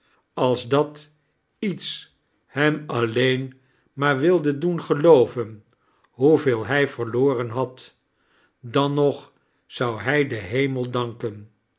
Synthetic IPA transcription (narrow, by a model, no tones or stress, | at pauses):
ɑlˠzdɑt | its | hɛmɑlejn | maːɹʋɪlˠdədunχəlowvən | ɦuveːlˠɦɛjvəʁloːrənɦɑt | dɑnɔχ | sɑwɦɛjdəɦejməlˠdɑŋkən